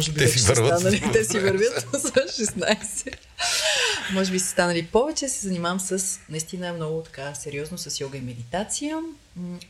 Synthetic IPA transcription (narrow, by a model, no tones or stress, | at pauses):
ɔʒɛbiɛɛsɛvəɛɾvəanɐlit̪ɛsivəɾvʲjət̪sʃɛsnajsɛ | mɔʒɛbisɛ̥st̪anəlipɔvɛt͡ʃɛsɛzɐnimavəmsəsnɐist̪inəɛmnɔɡʊt̪ɐ̥kasɛɾiɔznosɐsjɔɡəimɛd̪it̪at̪sijə